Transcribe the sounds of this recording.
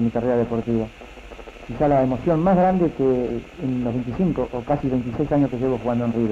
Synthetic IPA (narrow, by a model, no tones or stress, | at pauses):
mikareɾaðe̞po̞ɾt̪iβa | kisalaemo̞sjonmaɦɣɾand̪ekeːnloɦβe̞nt̪isiŋkoʔːkasiβe̞jnt̪isejsaɲoskeʒeβoxuɣand̪oenriβ